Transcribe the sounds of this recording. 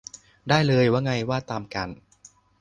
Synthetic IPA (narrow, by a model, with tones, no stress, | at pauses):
daː˥˩jlɤː˧jwaː˥˩ŋa˧jwaː˥˩t̪aː˧mka˧n